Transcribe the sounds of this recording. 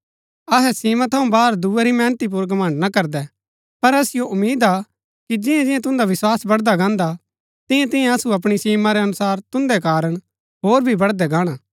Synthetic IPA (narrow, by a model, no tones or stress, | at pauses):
ɐɦɛsiːmãt̪ʰɐũbaːɾd̪uːɛɾimɛ̃ːnət̪ip̬ʊɾɡɐmə̃ɳɖnakɐɾd̪ɛ | pɐɾɐsɪjoʔʊmːiːd̪a | kid͡ʒɪjãd͡ʒɪ̃jãt̪̬ʊ̃nd̪aʋɪswaːsbɐɽd̪aɡãːnd̪a | t̪ɪ̃jãt̪ɪ̃jɛ̃ɐsuɐp̬ɽ̃isiːmaɾɛɐnʊsaːɾt̪ʊ̃nd̪ɛkaːɾəɽ̃ | ɦoːɾbʱibɐɽd̪ɛɡãːɽ̃aː